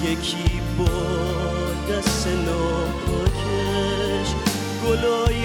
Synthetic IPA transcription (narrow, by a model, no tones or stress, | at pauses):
jekʰi | bɔː | d̪æselɔː | kokʰe | ʃ | ɡ̥olɔːj